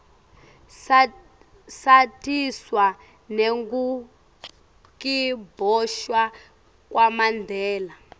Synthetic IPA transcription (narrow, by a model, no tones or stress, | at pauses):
satiswa | neŋɡu | kibʱɔʃwa | kwamandʱɛːla